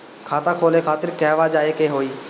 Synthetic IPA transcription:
kʰaːt̪ãːkʰoːlekʰaːt̪ɪɾkɛɦʋaːd͡ʒaːeːkeːɦoːiː

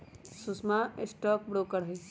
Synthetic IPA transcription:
susmaesʈɔːk̚bɾoːkəɾɦe

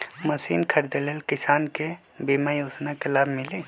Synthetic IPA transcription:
məsḭːnkʰəɾd̪elelkɪsaːnke | biːmajoːznakelaːbʱmɪle

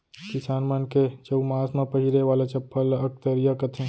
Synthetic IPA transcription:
kɪsaːnmənket͡ʃəumaːsmãpəɦiɾeʋaːlat͡ʃɐpːaːlaək̚t̪əɾijakət̪ʰẽː

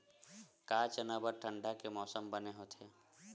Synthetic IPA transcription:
kaːt͡ʃənabəɾʈʰə̃ɳɖakemɔːsəmbəneɦot̪ʰeː

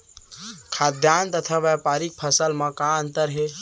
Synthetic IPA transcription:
kʰad̪ʱjant̪ət̪ʰaʋɛpaɾik̚pʰəsəlmə̃kaənt̪əɾɦe

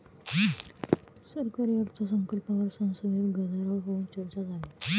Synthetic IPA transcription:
səɾkaɾiəʈt͡sasəŋkəlpaʋəɾsənsəmeɡəd̪ʱaɾaɭɦont͡ɕəɾt͡ɕad͡zale

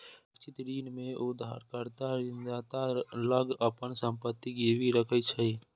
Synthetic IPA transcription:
t͡ʃɪt̪ɾiːnmẽʊd̪ʱːa̰ɾkəɾt̪aɾɪnd͡ʒaːt̪aləɡəpənsə̃mpət̪ːikebʱiɾəkʰət͡ʃʰəi

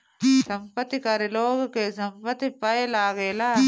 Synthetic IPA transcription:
sɐmpɐt̪ːikaɾiloːɡɐkːesɐmpɐt̪ːipɐjɐlaːɣela

